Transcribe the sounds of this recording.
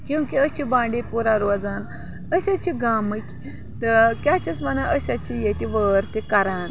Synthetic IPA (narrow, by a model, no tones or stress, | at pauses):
kʲĩwkiət͡ɕibãɳɖipuɾaɾʋad͡zan | əsat͡ɕiɡaməkʲ | t̪kʲat͡ɕat͡smanaʔəsat͡ɕijet̪iʋəɾt̪ikaɾan